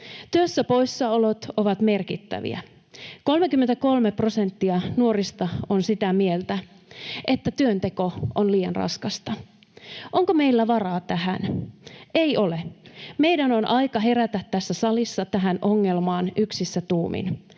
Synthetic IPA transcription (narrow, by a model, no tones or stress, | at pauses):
t̪yøsːæpo̞jsːɑolot̪oʋɑt̪me̞rkit̪ːæ̰ʋḭæ̰ | ko̞lmekymːent̪æko̞lmepro̞se̞nt̪ːiɑnuoɾist̪ɑonsit̪æmielt̪æ | ʔe̞t̪ːæt̪yønt̪e̞ko̞onliːjɑ̰nrɑ̰skɑst̪ɑ | ʔo̞ŋkome̞ilːæʋɑrɑːt̪æɦæn | e̞jo̞leme̞jdæno̞nʔɑjkɑɦe̞ɾæt̪æt̪ːæsːæsɑlisːɑt̪æɦænʔo̞ŋːe̞lmɑːnyksisːæt̪uːmḭn